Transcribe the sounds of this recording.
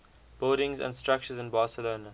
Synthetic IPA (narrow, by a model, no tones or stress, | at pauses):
b̥ɪlɾɪ̃ŋzə̰̃ndstɹak̚t͡ʃəzɪ̃nbɑːsəloːnə